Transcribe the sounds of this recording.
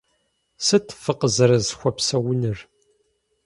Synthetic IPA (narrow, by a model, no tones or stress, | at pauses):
sɨt̪ʰːfəqəzɾəzxʷɐpsɐwənər